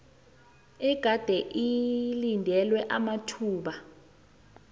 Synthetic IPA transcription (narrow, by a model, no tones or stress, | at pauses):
iɡ̥ʱad̥ʱɛʔilindʱɛlwɛʔamatʰuːɓa